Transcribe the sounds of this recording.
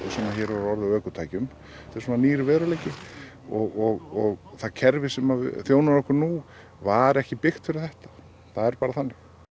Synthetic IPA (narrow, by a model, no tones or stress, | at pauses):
sɛmaçɛːɾvaɾɔɾðɪaœːkʏt̪ʰaːjcʏm | t̪ʰɪsmaniːɾʏvɛːðɾaleːjcɪ | ɔɣɔɣɔɣθaðcʰɛɾvɪsɛmavθjoːwnaɾɾɔhkʏɾnu | vaðɾɛhcɪpɪxt̪fɪɾɪθɛht̪ḁ | θaðɛɾpaːɾaθanːɪx